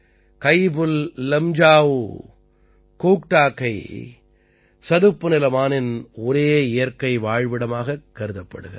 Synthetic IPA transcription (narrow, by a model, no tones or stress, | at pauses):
kɐɪbɯllɛmd͡ʒaːʋɯ | kuːkʈaːkːɐɪ | sɐðɯpːɯnɪlɐmaːnɪnɔɾeːɪjɐɾkɐɪʋaːɻʋɪɽɐmaːɣɐkːɐɾɯðɐpːɐ̰ɽɯɣɐ̰